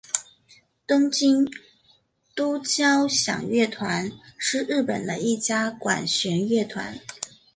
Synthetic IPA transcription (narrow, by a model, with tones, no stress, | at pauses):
t̪ɤ˥ŋt͡ɕi˥ŋ | t̪u˥t͡ɕjɑ˥ʊɕjɑ̰˨˩ŋɥɛ˥˩t̪ʰwa˧˥nʂɻ̩˥˧ɻɻ̩˥˩pə̰˨˩nd̪ə˦i˥˩t͡ɕja˥kwa̰˨˩nɕɥɛ˧˥nɥɛ˥˩t̪ʰwa̰˧˥n